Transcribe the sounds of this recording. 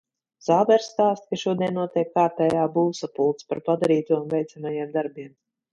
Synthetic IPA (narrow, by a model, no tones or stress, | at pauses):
z̥aːdɛɾst̪aːst̪kaʃuɔd̪iɛnːuɔt̪iɛkːaːp̪ɛjaːbuːsapulˠt̪spaɾpad̪aɾiːt̪uɔunvʲɛjt̪samajiɛmd̪aɾbʲiɛm